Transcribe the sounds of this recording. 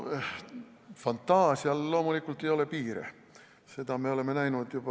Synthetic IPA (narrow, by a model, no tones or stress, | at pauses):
fɑnt̪ːɑːsiɑlloːmulikːult̪ːeijolepiːrḛ | set̪ɑmeolemːenæinuet̪jopɑ